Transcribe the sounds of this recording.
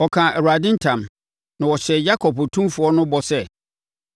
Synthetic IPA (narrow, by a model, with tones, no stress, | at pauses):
ɔ˨kʰãː˨ʔɛ˨ɾu˨a˨dɪ̃˦n˦tʰã˨m | nã˨wɔ˨ɕɛ˨ja˦kʰɔ˨pɔ˨tʰũ˦fʊ˨ɔ˦nʊ̃˦bɔ˨sɛ˦